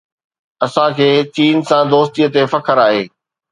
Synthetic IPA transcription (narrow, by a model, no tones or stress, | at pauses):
ɐsãkʰeːt͡ɕiːnsãd̪oːst̪ijət̪efɐkʰəɾaːɦeː